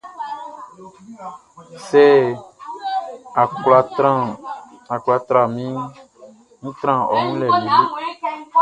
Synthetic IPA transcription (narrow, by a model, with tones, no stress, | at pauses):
sɛ˦ | a˨kla˨tɾã˦˨a˨kla˨t̪ɾa˨mĩ˦ŋ˦ | ŋũ˦t̪ɾã˦˨ɔ˨ŋũ˦lɛ˨li˨be˦